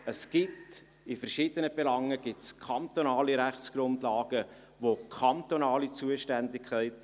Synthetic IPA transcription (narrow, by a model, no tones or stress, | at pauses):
əsɡ̥ɪt | ɪfəɾʃɪːd̥̪ənəbɛlɑŋːəɡ̥ɪtskʰɑnt̪onɑːliɾæχt͡sɡ̥ɾʊndlɑːɡ̥ə | ʋokʰɑnt̪onɑːlit͡suəʃtændɪkʰɛɪt